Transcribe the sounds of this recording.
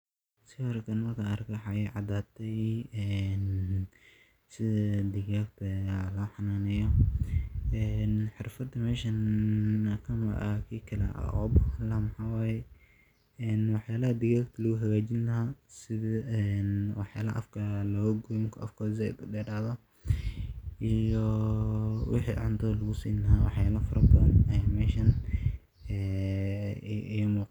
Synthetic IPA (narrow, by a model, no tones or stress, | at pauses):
sɪɔɾkʰɐnɐkʰaɐrkʰwħɑjʕɑd̪aːt̪ʰɛjɛn | sɪðɐd̪ɪɣaːkt̪ʰɐlɔːħɑnaːnɛjɔ | ɛːnħɪrfɐd̪ːɐmɛːʃɐnɐkʰɐmɐ̰ʔɐ̰kʰiːkʰɐlɛ̰ʔa̰ʔɔ̰bɐlːaːmɑħaːwaːjɛ | ɛːnwɑħjaːlɐɦɐd̪ɪɣaːɡt̪ʰɐlɐɣʊɦɐɣaːt͡ʃɪnlɐɦaːsɪðɐɛnwɑħja̰ːlɐʔɐ̰fkʰɐlɔːɣɐɡɔŋkʰʔɐ̰fkʰɔːs̬ɛ̰d̪dɛːɖaːðɐ | ʔijɔ | wɪ̰ħḭːʕɑ̰nt̪ʰɐlɐɣʊsḭːnlɐɦawɑħjaːlɐfʊɾʔɐbt̪ʰɐɛmɛːʃɐn | ɛː | muːq